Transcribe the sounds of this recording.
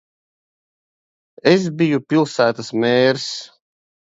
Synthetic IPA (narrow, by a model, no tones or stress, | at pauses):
es̬bijupilˠsæːt̪asmeːɾs